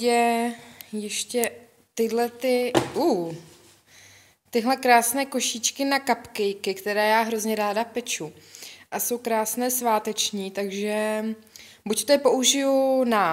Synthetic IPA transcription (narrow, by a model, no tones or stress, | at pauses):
ɛ | jɛʃcɛ | t̪ɪdlɛt̪ɪʔuː | t̪ɪɦlɛkɾaːsnɛːko̞ʃit͡ʃkɪnakapkɛjkɪkt̪ɛɾɛːjaːɦɾo̞zɲɛɾaːdapɛt͡ʃuʔaso̞wkɾaːsnɛːsvaːt̪ɛt͡ʃɲiːt̪aɡʒɛ | buct̪opo̞ʔuʒɪjunaː